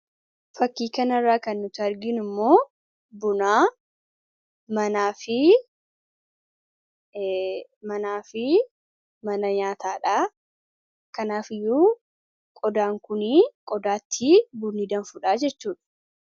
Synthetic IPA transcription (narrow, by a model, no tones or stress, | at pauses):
fɐkːiːkɐnɐrːaːkɐnːʊt̪ɪɐɾɡɪnʊmːo̞ː | bʊnaː | mɐnaːfɪ | mɐnaːfɪ | mɐnɐɲaːt̪ʰaːᶑaː | kɐnaːfɪjːuː | kʼɔd̪aːŋkʊnikʼɔd̪aːt̪ʰːibʊnːid̪ɐnfʊᶑaːd͡ʒɛt͡ʃːuːᶑɐ̥